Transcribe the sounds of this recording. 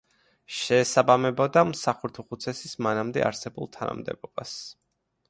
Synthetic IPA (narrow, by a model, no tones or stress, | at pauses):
ʃɛːsabamɛbɔd̪amsaχuɾt̪ʰuχut̪sʰɛsismanamd̪ɛ̰a̰ɾsɛbulˠt̪ʰana̰md̪ɛ̰bɔbas